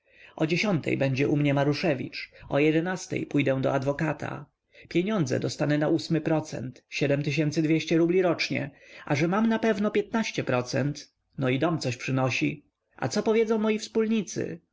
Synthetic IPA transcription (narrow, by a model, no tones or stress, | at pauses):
ʔɔd͡ʑeɕɔnt̪ʰɛ̰jbɛɲd͡ʑɛʔumɲɛmaɾuʂɛvʲḭt͡ʂɔjɛd̪ɛnast̪ɛ̰jpujd̪ɛw̃d̪ɔ̰ad̪vɔkat̪ʰa̰ | pʲjeɲɔnd̪zɛ̰d̪ɔst̪anɛnaʔusmɘpɾɔt̪sɛ̰nt̪ɕɛd̪ɛmt̪ɘɕɛnt̪sɘd̪vʲjeɕt͡ɕɛɾublʲiɾɔt͡ʂɲɛ̰aʐɛmamnapɛvnɔpʲjɛt̪̚naɕt͡ɕɛpɾɔt̪sɛ̰nt̪ | nɔid̪ɔmt̪sɔɕpʂɘnɔɕi | a̰t̪sɔpɔvʲjɛd̪zɔ̃w̃mɔjifspulɲit̪sɘ̰